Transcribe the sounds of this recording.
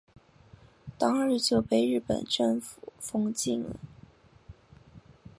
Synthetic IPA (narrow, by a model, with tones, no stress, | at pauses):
t̪ɑ˥ŋɻɻ̩˥˧t͡ɕjo˥˧ʊpe˥˧ɪɻɻ̩˥˩pə̰˨˩nʈ͡ʂɤ˥˩ŋfu̥˨˩fɤ˥ŋt͡ɕi˥˩ŋlə̰˩